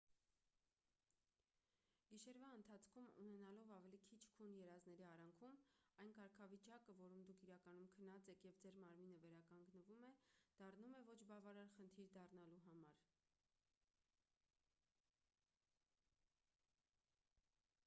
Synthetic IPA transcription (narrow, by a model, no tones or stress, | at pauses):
ɡ̥iʃɛɾvɑənt̪ʰɑt͡sʰkʰumṵnɛnɑlɔvɑvɛlikʰit͡ʃʰkʰunjɛɾɑznɛɾiɑrɑŋkʰumɑjnkɑɾkʰɑvit͡ʃɑkəvɔɾumd̪ukʰiɾɑkɑnumkʰənɑt͡sɛkʰjɛvd͡zɛɾmɑɾminəvɛɾɑkɑŋɡnəvumɛd̪̥ɑrnumɛvɔt͡ʃʰbɑvɑɾɑɾχənt̪ʰiɾd̪ɑrnɑluɦɑmɑɾ